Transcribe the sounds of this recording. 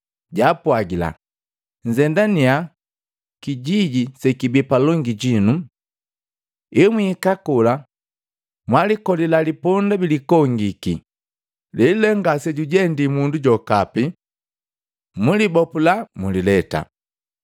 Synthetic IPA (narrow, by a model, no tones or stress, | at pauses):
ɟaːpwaɡila̰ | ɲ̩zɛndania | kiɟiɟisɛkibipalɔŋɡiɟinu | ɛmwikakula | mwalikɔlilalipɔndabilikɔŋɡikḭ | lɛlɛŋɡasɛɟuɟɛndimunduɟɔkapi | mulibɔpulamulilɛta̰